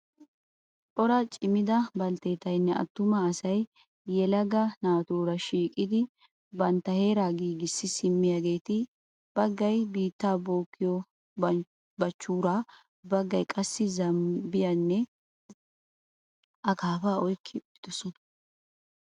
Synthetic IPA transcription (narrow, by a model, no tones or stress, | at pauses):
pʼɔɾɐt͡ʃʼɪmɪd̪ɐbɐlt̪eːt̪ɐjnːɛɐ̰t̪ːʊmɐːsɐjː | ɛlɐɡɐnaːt̪uːɾɐʃiːkʼːɪd̪ɪ | bɐnt̪ːɐhe̞ːɾaːɡiːɡɪsːɪsɪmːɪjaɡe̞ːt̪ɪ | b̥ɐɡːɐjbiːt̪ːaːboːkːɪjɔ | bɐt͡ʃːuːɾa | bɐɡːɐjkʼɐsːɪzɐmbɪjɐnːɛ | ʔɐkaːfaɔjkʰːɪbɪd̪̥ɔsɔnɐ̥